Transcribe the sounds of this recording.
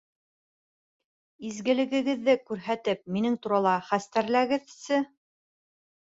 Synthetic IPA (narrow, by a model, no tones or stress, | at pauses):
izɡɘ̆lɘ̆ɡɘ̆ɡɘ̆ðːɘkʉɾɦæt̪ɘp̚minɘŋt̪uɾɑlˠɑχæst̪æɾlæɡɘðsɘ